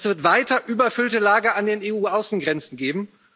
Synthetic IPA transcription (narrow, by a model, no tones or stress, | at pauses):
sv̥ɪɐtv̥aɪtɐʔyːbɐfʏltəlaːɡəandeːneːuːʔaʊsn̩ɡʁɛnt͡sn̩ɡeːbm̩